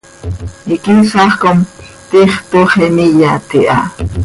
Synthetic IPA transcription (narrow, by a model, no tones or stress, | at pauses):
ikisɑχkom | t̪iχt̪oχenijat̪iʔa̰